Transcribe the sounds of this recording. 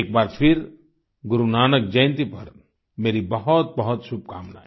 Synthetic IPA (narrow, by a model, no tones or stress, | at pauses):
eːk̚baːɾpʰɪɾ | ɡʊɾunaːnək̚d͡ʒɐj̃nt̪ipɐɾ | meːɾibɐɦɔt̪̚bɐɦʊt̪ʃʊb̚kaːmna̰ːɛ